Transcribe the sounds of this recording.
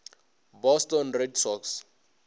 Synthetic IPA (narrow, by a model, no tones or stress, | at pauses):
bɔstɔnredsɔks